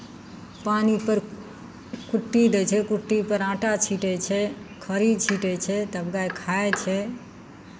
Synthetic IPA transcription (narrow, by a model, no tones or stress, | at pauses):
panipəɾ | kuʈːid̪ɛt͡ʃʰɛkuʈːipəɾãʈat͡ʃʰiʈɛt͡ʃʰɛkʰəɾid̪t͡ʃʰiʈɛt͡ʃʰɛt̪əbɡajkʰaet͡ʃʰɛ